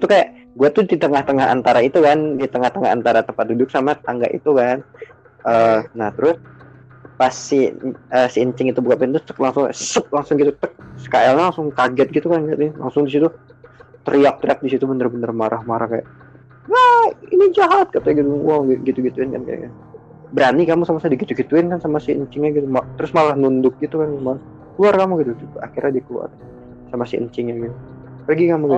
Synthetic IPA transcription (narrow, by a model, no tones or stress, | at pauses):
t̪ukajaʔ | ɡuat̪ʊhdit̪əŋaht̪əŋaɦa̰nt̪aɾait̪ukandit̪əŋaht̪əŋaɦa̰nt̪aɾat̪əmpat̪̚dudʊk̚samat̪aŋɡa̰ʔḭt̪ukan | ʔəːnaht̪əɾʊs | pasiəːsiəɲt͡ʃɪŋit̪ubukapɪnt̪ʊt̪ə̥k̚laŋsʊŋsəp̚laŋsʊŋɡit̪ut̪ək̚skaɛlɲlaŋsʊŋkaɡɛt̪̚ɡit̪ukanɡat̪la̰ŋsʊŋdisit̪u | t̪əɾiak̚t̪əɾiak̚disit̪ubənərbənərmaɾʔahmaɾʔahkaja̰ʔ | ŋainid͡ʒaɦat̪̚kat̪aaɡit̪uwaŋɡiɡit̪uɡit̪uɪnka̰nka̰j̰kan | bəɾanikamusamasaadiɡit̪uɡit̪uɪnkansamasɪə̰ɲt͡ʃɪŋɲaɡit̪umat̪əɾʊsmaɾahnundʊk̚ɡit̪ukanmaa | kluarkamuɡit̪ut̪ua̰kirɲadiklua̰r | samasɪʔə̰ɲt͡ʃɪŋɲaɡit̪u | pəɡikamuɡi